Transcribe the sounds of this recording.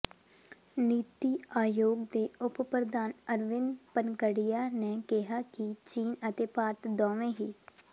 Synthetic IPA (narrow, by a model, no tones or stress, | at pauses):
niːt̪iːaːjoːɡd̪eːʊppɾəd̪aːnəɾʋɪnpənɡəɽijaːneːkɪɦaːkit͡ʃiːnət̪eːpaːɾt̪d̪ɔːʋẽːɦiː